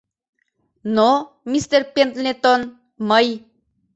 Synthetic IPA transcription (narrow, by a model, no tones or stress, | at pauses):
no | mist̪eɾpent̪net̪ɔn | məj